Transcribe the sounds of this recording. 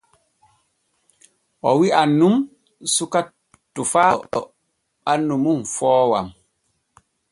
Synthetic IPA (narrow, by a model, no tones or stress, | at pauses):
ɔwianːum | suka | tufaɔ | anːumunfɔːwa̰m